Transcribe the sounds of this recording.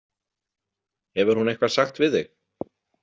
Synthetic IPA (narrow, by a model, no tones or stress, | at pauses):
hɛvʏɾ̥hunejhkvasaxt̪vɪðɪx